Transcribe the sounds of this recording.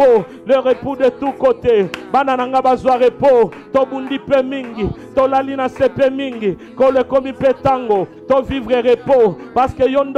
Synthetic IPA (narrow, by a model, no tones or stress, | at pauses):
o | løʁepudetukotebananaŋɡabazwaʁepo | tobundipɛmiŋɡi | tolalinasepemiŋɡi | kolekomipetaŋɡotovivʁeʁepopaskejond